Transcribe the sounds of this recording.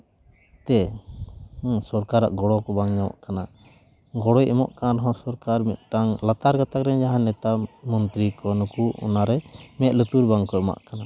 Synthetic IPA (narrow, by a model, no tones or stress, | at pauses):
t̪ɛ | sɔɾkaɾa̰ʔɡɔɽɔkɔbaŋɲawa̰ʔkana | ɡɔɽɔjɛmɔ̰ʔkanaɾɔɦɔ̃sɔɾkaɾmɛt̪̚ˀʈaŋlat̪aɾɡat̪akɾɛɲd͡ʒaɦãnɛt̪amɔnt̪ɾikɔnukuɔ̰naɾɛmɛt̪̚ˀlət̪uɾbaŋkɔɛma̰ʔkana